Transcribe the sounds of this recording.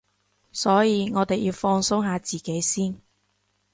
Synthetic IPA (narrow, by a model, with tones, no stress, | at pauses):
sɔː˨˥jiː˨˧ŋɔː˨˧t̪e˨jiː˧wfɔː˧ŋsʊ˥wɦaː˨˧t͡siː˨˩ke˨˥jsiː˥n